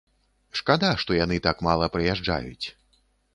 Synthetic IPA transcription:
ʂkad̪aʂt̪ɔjanɨt̪akmalˠɐpɾɨjaʐd͡ʐa̰jṵt͡sʲ

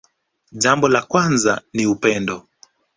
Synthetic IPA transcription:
ʄambɔlakwanzaniupɛndɔ

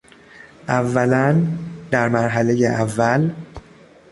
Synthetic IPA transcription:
ʔævːælænd̪æɾmæɾɦæle̞jeʔævːæl

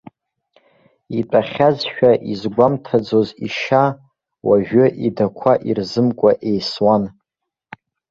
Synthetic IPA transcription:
ipʼaχʲazʃᶣaʔizɡʷamtʰad͡zoziʃa | waʒᶣʏʔidakʷʰaʔirzɨmkʷʼaʔejswan

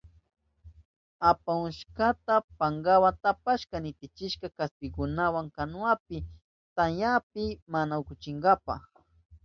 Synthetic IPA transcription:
apaʊʃkat̪apaŋɡawant̪apaʃkanɪt̪ɪt͡ʃɪʃkakast̪ɪɡʊnawaŋkanʊap̚ɪ | t̪anjap̚ɪmanaʊkʊt͡ʃɪŋɡapa̰χ

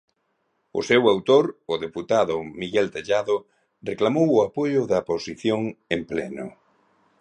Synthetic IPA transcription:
ʊ̰sewawt̪oɾʊðeput̪aðʊmiɣɛlt̪eʎaðʊ | reklamowʊapojʊðɐposiθjoŋemplɛnʊ̰

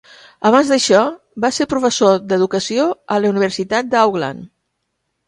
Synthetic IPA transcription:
əβ̞anzd̪əʃɔ | baseɾpɾufəsod̪əðukəsioələuniβ̞əɾsit̪at̪̚d̪əawɣla̰n

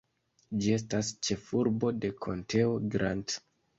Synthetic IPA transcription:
d͡ʒie̞s̬tast͡ʃe̞fuɾbo̞de̞kʰo̞ntʰe̞oɡɾʔant

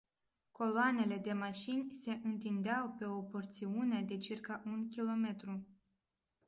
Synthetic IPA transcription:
ko̞loane̞le̞d̪e̞maʃinʲse̞ʔɨnt̪ind̪eawpe̞o̞po̞rt̪siunead̪e̞t͡ʃirkaʔunkʲilo̞me̞t̪ɾu

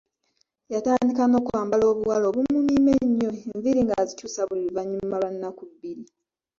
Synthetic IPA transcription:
jataːndikano̞ːkuaːmbalo̞ːβuwalo̞ːβumumiːmeɲːo̞eɱviɾiŋɡazicuːsaβuliluvaɲːumaβanːakubːiɾi

